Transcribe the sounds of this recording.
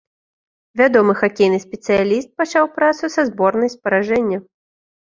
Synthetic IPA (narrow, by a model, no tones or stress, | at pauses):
vʲad̪ɔmɨxakʲejnɨsʲpʲɛt̪sɨjalʲist̪̚pat͡ʂawpɾat̪susɐzbɔrnɐjspɐɾaʐɛnʲːɐ